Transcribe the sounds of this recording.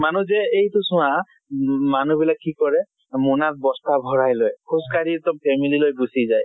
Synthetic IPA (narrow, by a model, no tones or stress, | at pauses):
manuzɛejtʊsʊ̃wa | manubilakːikɔɹɛ | munat̚bɔstabʱɔɹajlojkʰuskaɹitɔmpʰɛmililojbusizaj